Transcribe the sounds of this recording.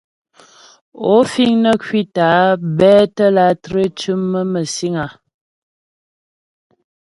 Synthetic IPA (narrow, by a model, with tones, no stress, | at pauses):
o˨˦fi˦˨ŋnə˦kɥi˦ta˨˦bɛː˦tə˦la˦tɾe˦t͡ʃʉ˦mːə˦mə˨si˦ŋa˨